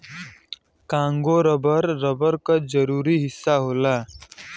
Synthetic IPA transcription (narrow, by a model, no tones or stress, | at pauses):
kãŋɡoɾəbəɾːəbəɾkəd͡zəɾuːɾiːɦɪsːaɦola